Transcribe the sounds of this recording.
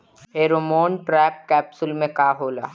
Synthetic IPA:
ɦeːɾomoːnʈɾɛːp̚kɛːpsʊlmẽkaːɦoːla̰ː

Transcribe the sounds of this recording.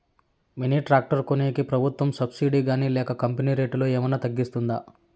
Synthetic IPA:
miniːʈɾaːk̚ʈɐɾkuneːkipɾɐbʱut̪ʋɐmsɐbsiːɖiːɡaːniːlɛːkɐkɐmpeniːɾeːʈloːeːmɐnɐt̪ɐɡːist̪und̪a̰ː

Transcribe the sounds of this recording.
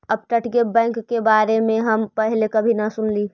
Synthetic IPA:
əb̚ʈəʈɡebɛ̃ːŋkːebaːɾemẽɦəmpəɦlekɐbʱinɐsʊnliː

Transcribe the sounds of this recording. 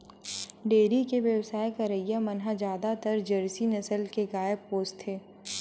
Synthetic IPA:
ɖeːɾikeʋjəʋsaːjkaɾəijamɐnɦad͡ʒjaːd̪at̪əɾd͡ʒɐɾsinɐsəlkeɡaːjəb̚poːst̪ʰeː

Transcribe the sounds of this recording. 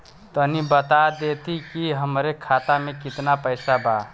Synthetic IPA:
t̪onibət̪ad̪eːt̪ʰikiɦəmɾekʰaːt̪amẽkɪt̪napəɪsabaː

